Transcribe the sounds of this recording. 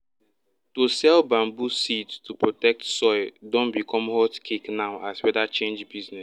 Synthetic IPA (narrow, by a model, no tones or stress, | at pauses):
tosɛlbãmbusittupɹotɛk̚tsɔɪdõnbikʰɔ̃mhɔtkʰeknaʊʔaswɛdat͡ʃẽnd͡ʒbiznɛs